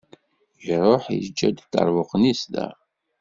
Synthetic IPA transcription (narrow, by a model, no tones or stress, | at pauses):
jɾˤoħḭd͡ʒːæd̪t̪ːɑ̰ɾˤwoqnist̪æ̰